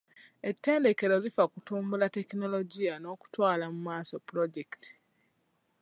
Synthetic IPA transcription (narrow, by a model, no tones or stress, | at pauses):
etːe̞ːnde̞ke̞ɾo̞zifakutuːmbulate̞kino̞lo̞ɟijano̞ːku̥twaːlamumaːso̞puɾoɟekti̥